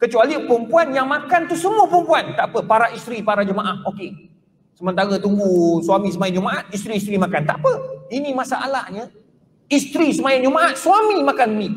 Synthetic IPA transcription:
kət͡ʃualiəpɾəmpuanjaŋmakant̪usəmuəpəɾəmpuant̪aʔpəpaɾaʔist̪ɾipaɾad͡ʒəmaʔahoke | səmənt̪aɾət̪uŋɡuswamisəmajat̪d͡ʒumaʔat̪̚ist̪ɾiːst̪ɾimakant̪aʔapəinimasaʔa̰laʔɲə | ist̪ɾisəmajand͡ʒumaʔat̪̚suamimakanni

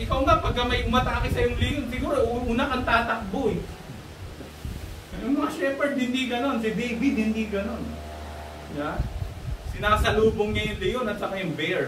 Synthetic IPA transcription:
ʔɪkɐwŋapɐɡ̚kːɐmɐjʊmɐt̪aːkɪsɐjʊŋlɪjonsɪɡuːɾoʔʔunakɐŋt̪aːt̪ɐk̚bo | jʊŋmɐŋaʃɛmpɛd̪hɪnd̪iɡɐno̞nsɪbejbid̪̚hɪnd̪iɡɐno̞n | ja | sɪnaːsɐluːboŋɲɐjʊŋlɪjonɐt̪̚t͡ʃɐkajʊŋbɛɹ

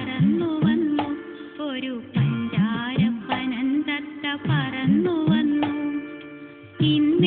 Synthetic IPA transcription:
ɾɐnluʋɐnːu | oɾupɐɲd͡ʒaːɾɐpɐnɐnt̪ɐt̪ːɐpɐɾɐnluʋɐnːu | ind̪

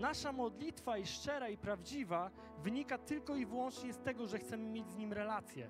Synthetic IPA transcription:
naʂamɔd̪lʲit̪faiʂt͡ʂɛɾaipɾavd͡ʑiva | vɘɲikat̪ɘlkɔivɘwɔnt͡ʂɲɛst̪ɛɡɔʐɛxt̪sɛmɘmʲjed͡ʑzɲimɾɛlat̪sʲjɛ̰

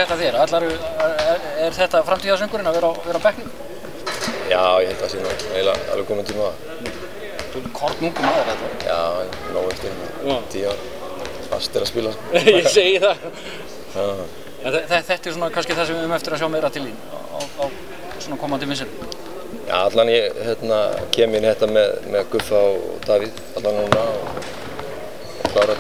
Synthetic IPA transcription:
ɛht̪aθiɛɾat̪laɾʏɛɾɛɾ̥θɛht̪afɾamt̪ʰiːðasœŋkʏɾɪnavɛːɾavɛːɾawpɛhknɪŋk | jaːwjɛhelt̪ʰːasɛnamejla̰a̰lvɪkʰɔːmɪnt̪ʰiːmaa | θukʰɔɾt̪nuːkʏmaðaɾɛht̪ajaː | noːwɛft̪ehkɪ | t̪ʰiːaɾ | fa̰st̪ɪɾaspɪlaskjɛseːjɪθa | a | ɛnɛθɛθɛht̪ɛɾ̥suːnakʰanscɪθasɛmʏmɛft̪ɪɾajawmɛːɾat̪ʰɪlin̰ɔ̰wθaw | sɔːnakʰɔːmant̪̬ʰɪmɪns̬ɪn | ja̰at̪lanjɛhɛt̪na̰cʰɛːmɪnhɛht̪amɛðmɛðkʏfaɔ̰t̪aːviðat̪lanhunaɔ | ɔkʰlaːwɾa

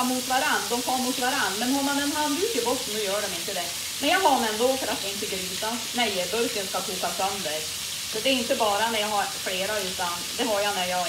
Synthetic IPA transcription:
mut̪vaɾanːd̪ɔmkʰɔmut̪vaɾanmɛnhɔmanɛnɦand̪ʉːt̪ɪbɔtːənd̪ʉjœːɖɔmɪnt̪əd̪ɛ | mɛnjɑːɡɦaɾɔmɛnd̪oːfœɾat̪ɪnt̪ːəɡɾyːsa | nɛjbɵɾkənskakʰuːkasœnd̪əɾ | sɔd̪ɛːɾɪnt̪əbɑːɾanæɾjɑɦaɾfleːɾaʉ̟ːt̪and̪ɛɦaɾjanæɾjɑ

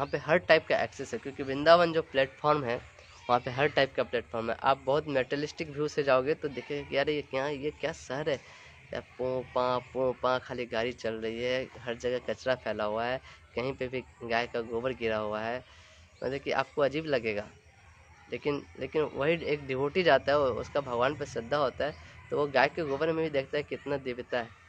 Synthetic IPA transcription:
ɐɦãpeɦɐɾʈaːɪp̚kaʔɛ̰ːksesɦɛkjõːkibɪ̃nd̪aːʋənd͡ʒoːplɛːʈfʰɔːɾmɦɛː | ʋɐɦãpeɦɐɾʈaːɪpkaplɛːʈfʰɔːɾmɦɛ̰ʔa̰ːp̚bɐɦʊt̪meːʈɛlɪsʈɪkbʱjuːsed͡ʒaːoːɡet̪od̪eːkʰeɡekiaɾejekjajekjaːsɐɦəɾɦɛː | ka̰ːpõːpãpõːpãkʰaːliɡaːɾit͡ʃɐlɾɐɦiɦɛɦɐɾd͡ʒɐɡɛkɐt͡ʃɾapʰɛːlaɦuaɦɛːkɐɦĩpebʱiɡaːjkaɡoːbəɾɡɪɾaɦuaɦɛː | mɐ̰t̪əkiʔa̰ːp̚koɐd͡ʒiːblɐɡeːɡaː | leːkɪnlḛːkɪnʋɐɦieːk̚ɖɪʋoːʈid͡ʒaːt̪aɦɛʊ̰skabʱɐɡʋaːnpesɪd̪ʱːaɦoːt̪aɦɛt̪oʋoɡaːjkːeɡoːbəɾmẽbʱid̪eːkʰt̪aɦɛkɪt̪nad̪ɪʋɪt̪aɦɛː

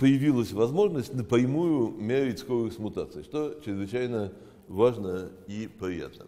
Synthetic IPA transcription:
pəjɪvʲilˠəsʲvɐzmo̞ʐnəsʲtʲnəpɾʲɪmujʊmʲeɾʲɪtʲskoɾɨsʲmʊt̪at̪sɨɪʂt̪ot͡ɕɾʲɪzvɨt͡ɕajnə | vaʐnəipɾʲɪja̰t̪nə̰

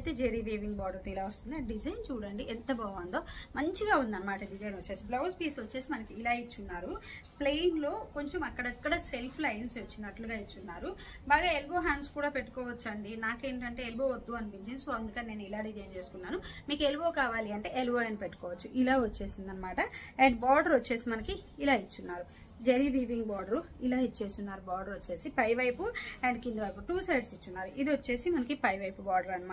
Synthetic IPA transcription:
ɐjt̪e̞ːd͡ʒeɾiʋeːʋiŋɡbaːɖɐt̪ilaːʋost̪und̪iɐɖid͡ʒɐjnt͡ʃuːɽɐɳɖiʔɛnt̪ɐbaːʋand̪o̞ːmɐɲt͡ʃiɡaːund̪iɐnɐmaːʈɐɖid͡ʒɐjnʋot͡ʃːe̞ːsiblɐʋspiːsʋɐt͡ʃːe̞ːsimɐnɐkiːlaːit͡ʃːunːaːɾu | plejinɡlo̞ːko̞ɲt͡ʃomɐkːɐɽɐikːɐɽɐselpʰlɐjnsʋɐt͡ʃːinɐʈluɡaːit͡ʃːunːaːɾu | baːɡaːelbo̞ːɦaːnskuːɽaːpeʈːu̥kɔːʋɐt͡ʃːɐɳɖinaːkeːɳʈɐɳʈe̞elboːʋɐd̪ːuɐnipiɲt͡ʃinisoːɐnd̪ukɐnine̞ːnilaːɖid͡ʒɐjnt͡ʃe̞ːsu̥kunːaːnumiːkue̞lubo̞ːkaːʋaːliɐɳʈe̞ːeluboːjɐnipeʈːu̥kɔːʋɐt͡ʃːuʔilaːʋot͡ʃːe̞ːsind̪ɐnːɐmaːʈɐeɳɖbaːɖɐɾot͡ʃːe̞ːsimɐnɐkiːlaːit͡ʃːunːaːɾu | d͡ʒɐɾibiːʋiŋɡbaːɖɐɾluilaːit͡ʃːe̞ːsunːaːɾubaːɾɖɐɾot͡ʃːe̞ːsipɐjʋɐjpuɛɳɖkind̪ʋɐɾpuʈuːsejɖsit͡ʃːunːaːɾuʔid̪iot͡ʃːe̞ːsimɐnɐkipɐjʋɐjpubaːɖɐɾlɾɐnɐma

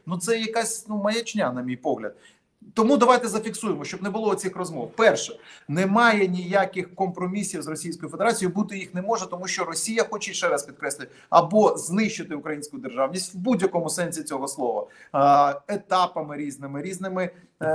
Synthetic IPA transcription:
nut̪sɛjɐkasʲnumɐjɐt͡ʃnʲanɐmʲijpɔɦlʲɐ̰d̪̚ | t̪ɔmud̪ɐʋajt̪ɛzɐfʲiksujemɔʃt͡ʃɔbnɛbʊlˠɔɔt͡sʲixrɔzmɔwpɛrʃɛnɛmɑjɛnʲijakɪxkɔmpɾɔmʲisʲiwzrɔsʲijsʲkɔjʊfed̪eɾat͡sʲijibut̪ɪjixnɛmɔʒɛt̪ɔmuʃt͡ʃɔɾɔsʲijɐxɔt͡ʃɛʃɛɾɐspʲid̪̚kɾɛsʲlʲɪt̪ | ɐbɔznɪʃt͡ʃːɪt̪ɪʊkɾɐjinʲsʲkʊjʊd̪erʒɑwnʲisʲtʲwbudʲjɐkɔmʊsɛnʲsʲit͡sʲɔɦɔslˠɔʋɐ̰ | et̪ɑpɐmɪɾʲiznɪmɪɾʲiznɪmɪ

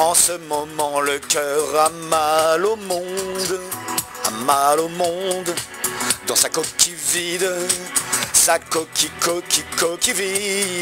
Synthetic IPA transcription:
ɑ̃səmɔmɑ̃ləkʲœʁamalomɔ̃d̪ | a̰malomɔ̃d̪ | d̪ɑ̃sakɔkʲivid̪ | sakɔkʲikɔkʲikɔkivi

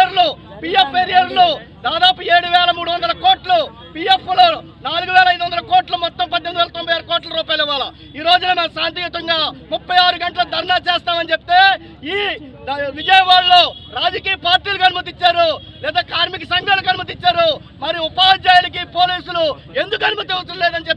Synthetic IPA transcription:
ɐɾlupiːjepʰːeɾijɐɾlo | d̪aːd̪aːpueːɽuʋɛːlɐmuːɽuʋɐnd̪ɐlɐkoːʈlu | piːjepːloː | naːluɡuʋɛːlɐjd̪uʋɐnd̪ɐlɐkoːʈlɐmɔt̪ːɐmpɐɖienʋɛːlɐt̪ɔmbʱɐjaːɾɐkɔːʈlɐɾuːpaːjiliʋːaːlɐ | iːɾo̞ːd͡ʒunɐnaːsaːnt̪̬ijut̪ɐŋɡaːmupːɐjaːɾuɡɐɳʈɐlɐd̪ʱɐɾɐnaːt͡ʃɛːst̪aːmɐnit͡ʃepi̥t̪e̞ː | iː | ʋid͡ʒɐjɐʋaːɭːoːɾaːd͡ʒɐkiːjɐpaːɾʈiːlukɐnumɐt̪̬it͡ʃːaːɾu | lɛːd̪aːkaːɾmikɐsɐŋɡɐnɐkɐnumɐt̪̬it͡ʃːaːɾu | mɐɾiupaːd͡ʒeːjnikipo̞ːliːsulu | end̪ukɐnumɐt̪iɐɐleːd̪ɐnit͡ʃep̪̚ː

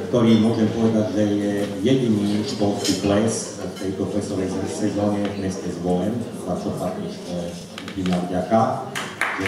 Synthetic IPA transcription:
kt̪ɔɾiːmʊɔʒɛmpɔʋɛd̪aɟʒɛjɛjɛɟiniːbɔlskiplɛs | ft̪ɛjt̪ɔplɛsɔʋɛjsɛsɛzɔːɲɛvmɛscɛzbɔlɛm | zat͡ʃɔfakɛʃtɛ | ɟinavɟaka | ʒɛ

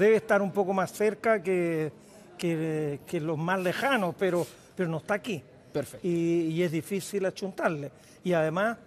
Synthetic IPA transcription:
ðeβeːst̪aɾumpo̞komasːeɾkake | kekelozmazlexanospeɾo | peɾonoest̪aki | peɾfeiːezðifisilat͡ʃunt̪aɾle | iaðemas

